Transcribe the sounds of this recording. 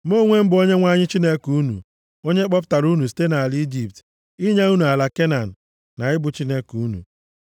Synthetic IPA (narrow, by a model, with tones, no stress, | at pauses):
mo˦ŋʷe˦m̩˦bʊ˨o˦ɲe˦ŋʷa˦ɲɪ˦t͡ʃi˦ne˦ku˦nṵ˨ | o˦ɲe˦k͡pɔ˦p̬ta˨ɾu˦nu˨s̬i̥˨˦te˦na˨a˨li˦d͡ʒi˨pt | i˦ɲa˦u˦nu˨a˨la˨ke˦na˨n̩˨ | na˨ɪ˦bʊ˨t͡ʃi˦ne˦ku˦nṵ˨